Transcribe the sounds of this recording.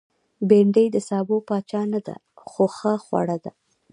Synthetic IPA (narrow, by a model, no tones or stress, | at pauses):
beɳɖəjd̪əsɑbopɑt͡ʃɑnad̪a̰ | xoxəxwa̰ɽad̪a